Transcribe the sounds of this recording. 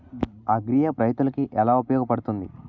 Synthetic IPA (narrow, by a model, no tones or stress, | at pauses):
ɐɡɾijɐpɾɐjt̪nunɐkiʔɛlaːupɐjɔːɡɐpɐɽut̪und̪i